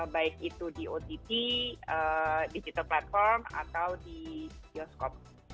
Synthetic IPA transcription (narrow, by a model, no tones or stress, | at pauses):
baɪkit̪udiʔot̪it̪iədid͡ʒit̪alplat̪̚fɔrma̰t̪awdidiɔskɔp̚